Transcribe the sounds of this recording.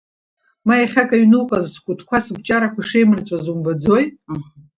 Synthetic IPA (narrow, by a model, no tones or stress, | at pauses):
maiχʲakʼaɥnɨwqʼazskʷʼʊtʰkʷʰasɡʷt͡ʃʼaɾakʷaʂejmrt͡sʷʼazumbad͡zoj